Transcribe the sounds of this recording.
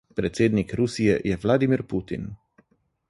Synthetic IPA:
pɾɛt̪seːd̪nikɾusijɛjɛʋlaːd̪imiɾput̪ḭn

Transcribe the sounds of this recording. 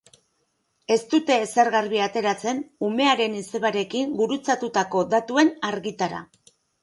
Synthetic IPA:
e̞st̪ut̪e̞ːseɾɣaɾβiat̪e̞ɾat͡se̞nume̞aɾe̞nise̞βaɾe̞kiŋɡuɾut͡sat̪ut̪ako̞ðat̪ue̞naɾɣit̪aɾa̰

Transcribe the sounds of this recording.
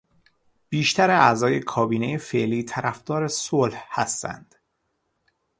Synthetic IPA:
b̥iːʃt̪ʰæɾeæzɒːje̞kʰɒːbiːnejefe̞ʔliːt̪ʰæɾʔæfd̪̥ɒːɾesolhhæst̪æ̰nd̪̥

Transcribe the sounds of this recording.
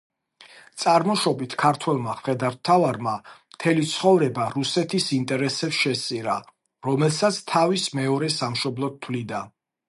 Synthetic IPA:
t̪sʼaɾmɔʃɔbit̪ʰkʰaɾt̪ʰwɛlˠmaχχɛd̪aɾt̪ʰːavaɾmamt̪ʰɛlit̪sʰχɔvɾɛbaɾusɛt̪ʰisint̪ʼɛɾɛsɛpsʃɛst̪sʼiɾa | ɾɔmɛlˠsat̪sʰt̪ʰavismɛɔɾɛsamʃɔblˠɔt̪ʰːwlid̪a

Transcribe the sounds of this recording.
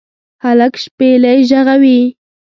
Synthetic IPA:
halakʃpelajʒaʁawi

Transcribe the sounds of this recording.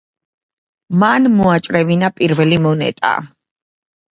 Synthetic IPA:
manmɔat͡ʃʼɾɛvinapʼiɾvɛlimɔnɛ̰t̪ʼa̰

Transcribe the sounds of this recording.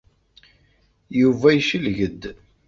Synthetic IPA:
juvæjəʃəlʝəd̪

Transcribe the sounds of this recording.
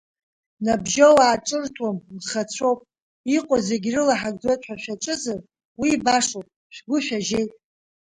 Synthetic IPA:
nabʒowaːʈ͡ʂʼɨrtʰwamzχat͡sʷʰo̞wpʼ | iqʼoze̞ɡʲrɨlaħaɡʼd͡zejtʼħᶣaʃᶣaʈ͡ʂʼɨzar | wiːbaʂowpʼ | ʃʷᶣɡʷʊʃᶣaʒejtʼ

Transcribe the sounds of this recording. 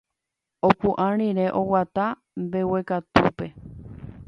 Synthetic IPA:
okũʔãɾ̃ĩɾeʔowat̪a | mbe̞we̞kat̪upe̞

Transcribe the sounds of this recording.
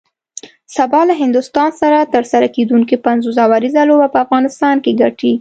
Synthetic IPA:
sabɑlaɦɪnd̪ʊst̪ɑnsaɾat̪əɾsaɾaked̪uŋkipanzozawaɾizalobapəafɣɑnɪst̪ɑnkeɡaʈi

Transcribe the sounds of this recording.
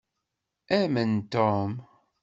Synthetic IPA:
æmənt̪om

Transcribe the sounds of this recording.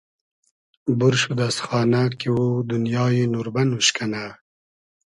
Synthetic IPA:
buɾʃud̪asxɑːnakiwud̪unjɑːjenuɾbanuʃkana

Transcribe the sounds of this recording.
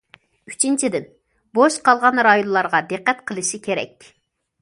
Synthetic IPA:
yt͡ʃʰint͡ʃʰid̪ɪn | boʃqʰɑlˠʁɑnɾɑjonlˠɑɾʁɑd̪ɨqːɛt̪qʰəlˠɨʃikʲʰeɾɛ̰k̚ʲ

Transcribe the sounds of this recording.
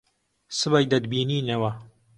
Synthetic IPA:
sɨbajd̪ɐd̪biːniːnɐwɐ

